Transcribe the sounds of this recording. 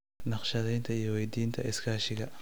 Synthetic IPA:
nɑχʃɐðɛjnt̪ʰɐijɞwɛjd̪iːnt̪ʰɐɪskʰaːʃɪɣɐ

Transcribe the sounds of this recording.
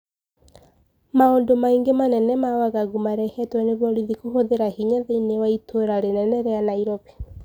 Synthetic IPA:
maondomaiŋɡemanɛnɛmawaɣaɣumaɾɛhɛtwɛneβɔɾiðikuhoðeɾahiɲaðeinewaitʰoɾaɾenɛnɛɾeanaiɾɔβe̥

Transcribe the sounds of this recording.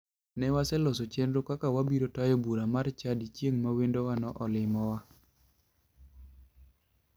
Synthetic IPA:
nɛwasɛlɔsot͡ʃenɾokakawabiɾotajobuɾamart͡ʃadit͡ʃjeŋmawendowanɔʔɔlɪmɔwa

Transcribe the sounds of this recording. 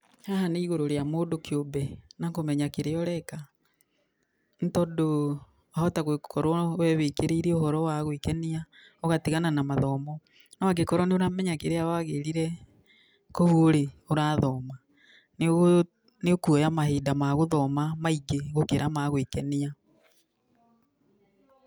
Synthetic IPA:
haɦaneiɣoɾoɾeamoːdokobɛnakomɛɲakeɾeɔɾɛka | n̩tɔdo | ahɔtaɣwekʰɔɾwɔwɛβekeɾeɾeohɔɾɔwaɣwekɛnia | oɣatiɣananamaðɔmɔ | naaɡekɔɾɔneoɾamɛɲakeɾeawaɣeɾiɾɛ | kohoɾeoɾaːðɔma | n | neokuɔjamaɦeːdamaɣoðɔmamaiɡeɣokeɾʔamaɣwekɛnia

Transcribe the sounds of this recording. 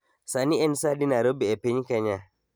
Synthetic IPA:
saniɛnsadinaɾobiepiɲkɛɲa

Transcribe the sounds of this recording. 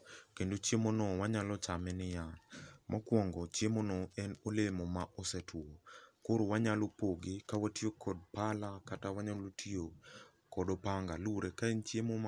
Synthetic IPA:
kendot͡ʃjemonɔwaɲalɔt͡ʃamɛnɪjamakwɔŋɡɔt͡ʃjemonɔɛnolemɔmaʔosɛtʰwokoɾowaɲalopoɡɪkawatiokʰɔd̚palakatawaɲalotʰio | kɔdɔpaŋɡaluɾekaent͡ʃjemom

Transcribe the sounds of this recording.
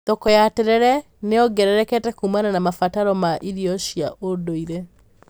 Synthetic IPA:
t̪ɔkɔjateɾɛɾɛ | neɔɡɛɾɛɾɛkɛtɛkumananamafataɾɔmaʔiɾiɔʃia̰ʔodoiɾe

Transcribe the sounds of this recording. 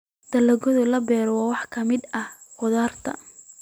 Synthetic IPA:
d̪̥ɐlɐɣɔðʊlɐbɛːɾɔwɑːwɑħkʰɐmɪd̪ɐh | qʊðaːrt̪ʰɐ̰

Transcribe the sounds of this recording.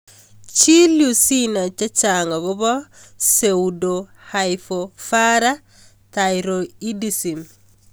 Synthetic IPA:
t͡ʃiljusinat͡ʃat͡ʃaŋaɡobosewdohajfofaɾa | tajɾoidisim

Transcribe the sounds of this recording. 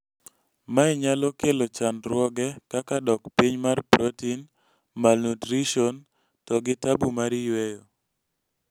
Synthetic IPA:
maiɲalɔkelot͡ʃandɾwɔɡɛkakadɔkpiɲmarpɾotin | malnutɾiʃon | tɔɡɪtabumaɾijwejo

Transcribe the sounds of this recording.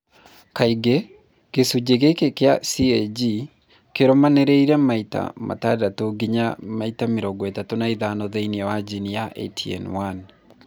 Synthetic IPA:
kaiɡe | ɡ̥esud͡ʒeɣekekea̰siɛd͡ʒi | keɾɔmanɛɾɛiɾɛmaita̰ma̰tadatoɡiɲamaitameɾɔɡɔɛtatonaiðanɔðeiniɛwad͡ʒinijaʔḛtʰiɛ̰nwan

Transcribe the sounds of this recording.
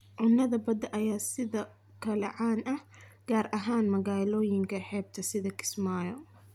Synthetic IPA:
ʕʊnːɐðɐbɐd̪ɐʔɐjaːsɪðɐ | kʰɐlɛʕaːnɐhɡ̥aːrʔɐɦaːnmɐɣaːlɔːjɪŋkʰɐħɛːb̚t̪ʰɐsɪðɐkʰɪ̥smaːjɔ

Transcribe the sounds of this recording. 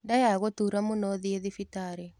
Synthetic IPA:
ndajaɣotuɾamonɔðieðifitaɾe

